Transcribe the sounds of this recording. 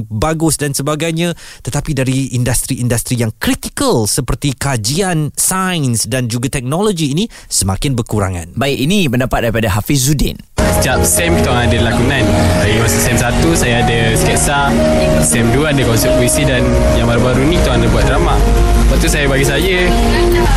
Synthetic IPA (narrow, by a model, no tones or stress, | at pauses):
baɡʊsdansəbaɡajɲãt̪ət̪apidaɾiindast̪ɾiindast̪ɾijaŋkɾit̪ikəlsəpərt̪ikad͡ʒiansajnsdand͡ʒuɡat̪ɛk̚nɔlod͡ʒiːnĩ | səmakɪnbərkuɾa̰ŋa̰nbaɪk̚inipəndapat̪̚daɾipadaɦafis̬ːudɪ̰n | sə̥t̪ap̚sɛmkit̪aaaadəlakunãnt̪aɡimasəsɛmsat̪usajaadəskɛʔsa | sɛmduaadəkɔnsɛp̚uisidan | jaŋbaɾubaɾuinĩkit̪aãndəbuat̪̚dɾama | əbaʔ̚t̪usajabaɡis̬ad͡ʒə